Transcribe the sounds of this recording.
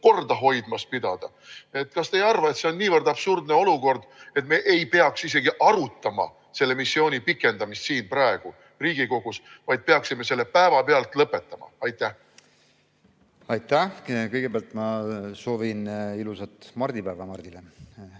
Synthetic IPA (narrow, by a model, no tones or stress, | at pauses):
ko̞rd̪̥ɑɦo̞jd̪mɑspid̪̥ɑd̪̥ɑ | e̞t̪ːˑkɑst̪e̞jɑrvɑe̞t̪seo̞nːiːvɤrd̪ɑb̥surd̪ne̞o̞luko̞rd̪̥e̞t̪me̞ʔejpe̞ɑksis̬e̞ɡ̥iʔɑɾut̪ːɑmɑ̰ | se̞lːe̞misːjo̞ːnʲipikːˑe̞nd̪ɑmist̪siːnprɑe̞ɡ̥u | riːɡ̥iko̞ɡ̥usvɑjd̪̚peɑksime̞se̞lːepæevɑpeɑlt̪ˑlɤpːe̞t̪ːˑɑmɑ̰ɑjt̪ˑːæh | ɑjt̪ːæhkɤjɡ̥ebeɑlt̪mɑso̞ːvinilusɑt̪mɑrd̪̥ipæːvɑmɑrd̪̥ile